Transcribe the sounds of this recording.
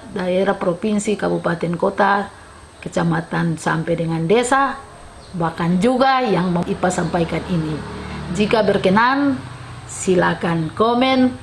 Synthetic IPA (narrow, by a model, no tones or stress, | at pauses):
daɛɾapɾɔpinsikabupat̪ɛnkɔt̪a | kɛt͡ʃamat̪ansa̰mpɛdɛŋandɛsa | bakand͡ʒuɡajaŋməipasampaikaninid͡ʒikabɛrkɛnan | silakankɔmɛn